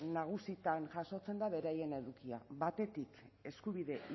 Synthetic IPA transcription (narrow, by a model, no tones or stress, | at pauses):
naɣ̞usit̪anʝaso̞t͡se̞nd̪aβe̞ɾaje̞ne̞ðukia̰βat̪e̞t̪ik | e̞skuβiðe̞